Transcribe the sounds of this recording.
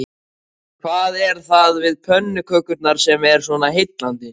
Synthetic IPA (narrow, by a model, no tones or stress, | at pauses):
kʰvaːðɛɾ̥θaðvɪðpʰœnːʏkʰœkʏt̪naɾ̥sɛmɛɾ̥swɔnaɦɪjt̪lant̪ɪ